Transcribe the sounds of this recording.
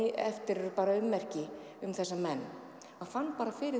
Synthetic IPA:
ɪɛft̪ɪɾʏpaːɾaʏmːɛr̥cɪ | ʏmθɛsːamɛnː | hanfanːpaːɾafɪːɾɪ

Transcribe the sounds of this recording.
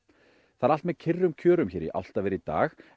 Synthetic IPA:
θaðalt̪mɛðcʰɪrːʏmcʰœːɾʏmçɛːɾḭʔa̰wl̥t̪avɛːɾɪit̪a̰ːx

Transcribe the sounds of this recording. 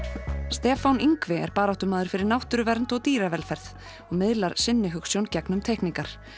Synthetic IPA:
st̪ɛːfawniŋkvɪɛ̰ɾpaːɾawht̪ʏmaːðʏɾ̥fɪɾɪɾnawht̪ʏɾʏvɛɾnt̪ɔɣt̪iːɾavɛlfɛɾθ | ɔɣmɪðlaɾ̥sɪnːɪɦʏksjowncɛknʏmt̪ʰɛhkniŋkaɾ̥

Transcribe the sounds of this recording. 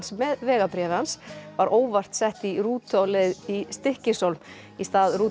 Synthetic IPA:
nsmɛðvɛːɣapɾjɛːvɪhansvaɾʔoːwvar̥t̪sɛht̪iruːt̪ʰowlɛðist̪ɪhcɪsowlm | ist̪aːðɾuː

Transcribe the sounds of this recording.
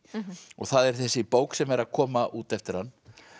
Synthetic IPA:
ɔ̰ɣθaðɛɾ̥θɛsːɪpoːwksɛmɛɾaðkʰɔːmaʔuːt̪ɛft̪ɪɾhanː

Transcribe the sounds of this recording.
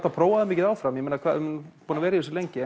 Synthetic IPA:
t̪apʰɾoːwaðɪmɪːcɪðaːwfɾamjɛmeːnakʰaːðmɪnpuːnavɛːɾɪiθɛs̬ɪlejɲcɪ

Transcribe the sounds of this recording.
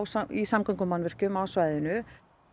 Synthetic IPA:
wsaisamkaŋkʏmanvɛr̥cʏmaːwsvaːjðɪnʏ

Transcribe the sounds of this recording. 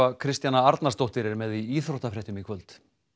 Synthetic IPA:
akʰɾɪst̪janaaɾt̪nast̪owht̪ɪɾɛɾmɛðiiːθɾoht̪afɾɛht̪ʏmikʰvœlt̪

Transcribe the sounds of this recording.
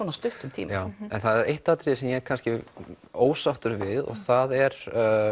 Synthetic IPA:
ɔːnast̪ʏht̪ʏmt̪ʰḭːmaːwɛnθaðɛɾejht̪at̪ɾɪsɛmjɛɣkʰanscɪ | oːwsawht̪ʏɾvɪðɔ̰ɣθaðɛɾ̥

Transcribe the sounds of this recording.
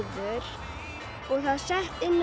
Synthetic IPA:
ðʏɾ | ɔɣθaðsɛht̪ɪnː

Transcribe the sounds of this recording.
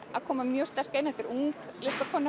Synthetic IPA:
a̰ðkʰɔːmamjœːst̪ɛr̥kejnɛht̪ɪɾuŋklɪst̪akʰɔːna

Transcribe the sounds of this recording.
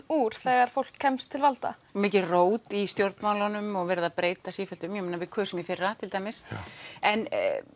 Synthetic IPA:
uɾ̥θɛːɣaɾ̥fowl̥kʰːɛmst̪ʰːɪlvalt̪a̰mɪːcɪroːwt̪ist̪jowɾt̪nmawlanʏmɔɣvɛːɾaðapɾeːjt̪asiːfɛlt̪ʏmjɛmeːnavɪðkʰvɛːsɛmjɛfɪrːat̪ʰɪlt̪aːjmɪsɛn

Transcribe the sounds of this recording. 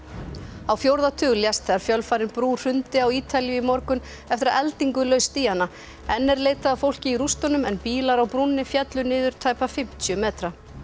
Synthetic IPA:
awfjowɾðat̪ʰʏːɣljast̪θɛɣaɾ̥fjœlfaːɾɪnpɾu̥ːr̥ʏnt̪ɪawiːt̪ʰaljʏimɔɾkʏn | ɛft̪ɪɾaʔɛlt̪iŋkʏlœːɥst̪ianːa | ɛnːɛɾleːjt̪aðafowl̥cɪiɾust̪ɔnʏmɛnpiːlaɾawpɾunːɪfjɛt̪lʏnɪːðʏɾ̥t̪ʰaːjpafɪm̥t̪ʰjʏmɛːt̪ɾa

